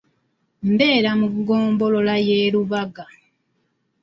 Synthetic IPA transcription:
m̩be̞ːɾamuɡo̞ːmbo̞lo̞lajeːluβaɡa

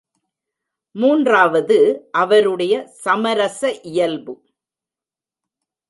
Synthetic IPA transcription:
muːndraːʋɐðɯʔɐʋɐɾɯɽɐjɐsɐmɐɾɐsɐʔɪjɐlbɯ

